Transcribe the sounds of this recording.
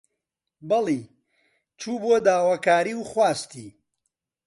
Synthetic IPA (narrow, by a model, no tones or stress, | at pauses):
bɐlˠi | t͡ʃʰuːbuɐd̪aːwakaːɾiːwχwaːst̪ḭ